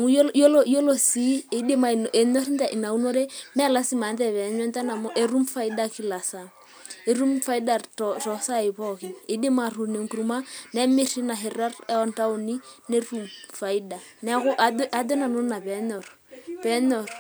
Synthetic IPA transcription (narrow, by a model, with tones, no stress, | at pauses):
ŋu˦jo˦lo˦jo˦lo˨si˦e˨de˦ma˨nʔe˨ɲɔ˦ri˦n˦ta˨ʔi˨na˨u˦no˦ɾe˦mɛ˦la˦si˦ma˨ntɛ˦˨pɛ˨ɲwɛ˦nta˦na˨moʔe˦ru˦mfa˦i˦da˦ki˦la˨sa˦ | e˨ru˦mfa˦i˦da˨tɔtɔ˨sa˦ɪ˨pɔ˦˨ki˨e˨de˦ma˨ru˨ne˨ŋku˨ɾu˦ma˦nɛ˦mɪ˦ri˦na˨ɦɪ˨ra˦rɛ˦ɔ˦nta˦u˨ni˦ne˦ru˨mfa˨i˦da˨ | nɛ˦kʊ˦ʔa˨dʔa˦dɔ˦na˨nu˦na˨pɛ˨˦ɲɔ˨r | pɛ˨˦ɲɔ˨r